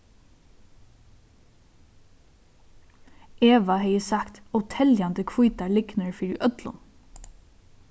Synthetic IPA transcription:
eːʋɑheɪəsɑkt̪ɔt̪ʰɛljɑnd̪əkʰʋuːt̪ɑɭɪɡnəɹfiɾʔœt̪lʊ̰n

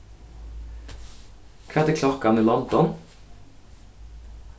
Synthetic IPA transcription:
kʰʋæd̪əkʰlɔkɑniːlɔnd̪ɔn

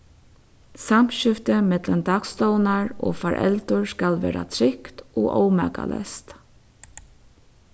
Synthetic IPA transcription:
sam̥ʃʏft̪əmɛt̪lənd̪ɑːkst̪ɔːwnaɹo̰ːfaɹʔɛ̰lt̪ʊɹskalʋḛːɾa̰t̪ʰɾɪkt̪oːʔoːwma̰ːka̰lʔɛ̰st̪

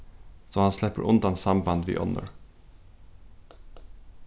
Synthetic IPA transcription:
soːhɑnslɛpəɾʔʊnd̪ɑnsɑmbɑnd̪ʋḭːʔɔ̰nə̰ɹ

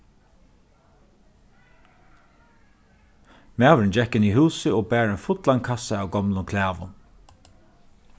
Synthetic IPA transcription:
maːwɾɪnd͡ʒɛkːɪniɦuːsɪɔːbæːɾɛnfʊt̪laŋkʰasaaːwɡɔmlʊkʰlæːʋʊ̰n

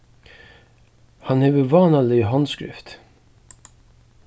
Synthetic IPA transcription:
hɑnhɛːʋəvɑːnɑlɪɦɑnskɾɪ̰ft̪

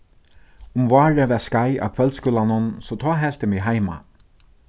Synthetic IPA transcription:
ʊmvaːɹæʋɛːskajʔa̰wkʰvœlt̪skʊːlanʊnsɔt̪ʰɔːɦɛl̥t̪ɪmɪɦajma̰

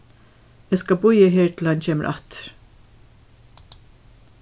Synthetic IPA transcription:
ɛskɑbʊʏəɦeːɹt̪ʰl̩hɑnceːmə̰ʔɑ̰t̪ɾ

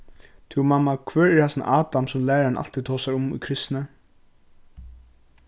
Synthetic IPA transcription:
t̪ʰumamːakʰvœːɹɛɾhɛsna̰ʔaːt̪amsʊmlæːɾaɾnʔa̰l̥t̪it̪ʰɔːsaɹʊmʊ̰kʰɾɪst̪nə

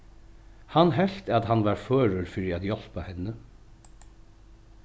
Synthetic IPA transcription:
hanɦɛl̥t̪at̪ɦanʋaɹføːɾʊɹfɪːɾiæt̪jɔl̥pahɪnːə

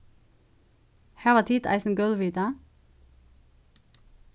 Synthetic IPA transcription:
hæːʋɑːt̪ʰit̪ɑ̰ɪsn̩ɡœlʋiːd̪ɑ

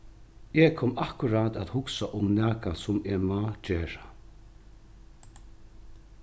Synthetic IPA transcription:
ɛkʰɔːmahkʊɾaːt̪at̪hʊksaʔʊmnæːkasʊmemat͡ʃeːɹa

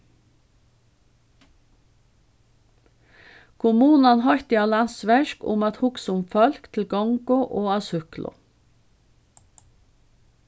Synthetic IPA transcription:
kʰʊmuːnɑnhɑɾt̪ɪɑlɑsʋæʃkʊ̰mɑt̪hʊksʊmfœlkt̪ʰl̩ɡɔŋɡʊʔoːɑsʉklʊ̰

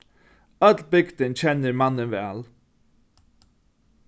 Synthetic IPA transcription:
œt̪l̩bɪkt̪ənt͡ɕʰɛnəɾmɑnənvæ̰ːl

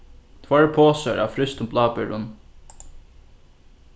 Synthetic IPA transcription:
t̪ʰvaːɹpʰoːsaɹʔa̰fɾɪst̪ʊmblaːpɪɾʊn

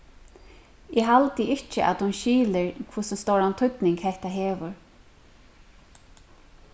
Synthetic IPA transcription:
ɛɦalt̪ɪɪt͡ʃɪʔa̰t̪hʊnʃiːlɪɹkʰvʊsɪst̪owɾant̪ʰʏt̪nɪŋkhɛht̪aɦeːʋʊɹ

